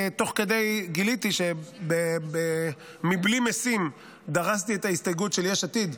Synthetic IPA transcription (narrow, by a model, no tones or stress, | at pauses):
t̪o̞χke̞d̪e̞jɡilit̪iʃe̞bebe | miblimesim | d̪aʁast̪iet̪aist̪ajɡutʃe̞ljeʃat̪id̪